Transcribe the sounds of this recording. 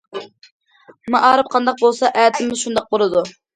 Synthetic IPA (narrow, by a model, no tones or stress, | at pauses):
mɨʔɑːɾɨp̚qʰɑnd̪ɑq̚bolˠsɑʔæːt̪ʰɪmmɪzʃund̪ɑq̚bolˠɨd̪u